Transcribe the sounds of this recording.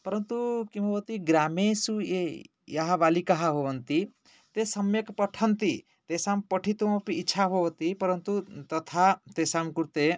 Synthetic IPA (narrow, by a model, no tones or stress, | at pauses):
pɐɾənt̪ukibʱowt̪iɡɾamesue | jaɦaʋalikaɦabʱoʋənt̪i | t̪esɐmjekpəʈʰənt̪i | t̪esampɔʈʰit̪umɔ̃piːt͡ʃʰabʱoʋt̪ipɐɾənt̪ut̪ɐt̪ʰat̪esamkuɾt̪e